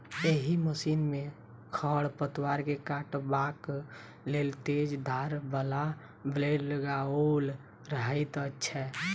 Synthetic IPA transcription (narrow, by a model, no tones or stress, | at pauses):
eɦiməsiːnmẽ | kʰəɽpət̪waɾkekaʈbak | lelt̪ed͡ʒd̪ʱaɾbəla | bleɖləɡaol | ɾəɦəɪt̪ətːʃʰɛ